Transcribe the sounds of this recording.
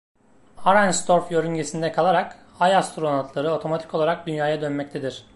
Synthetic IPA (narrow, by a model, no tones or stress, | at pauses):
haɾanst̪ʰo̞ɾfjø̞ɾyɲɟe̞sind̪ɛkʰalˠaɾak | ajast̪ɾonat̪ʰlˠaɾɯo̞t̪ʰo̞mat̪ʰi̥ko̞lˠaɾak̚d̪ynjaːjad̪ønmɛc̚t̪ʰed̪iɾ̥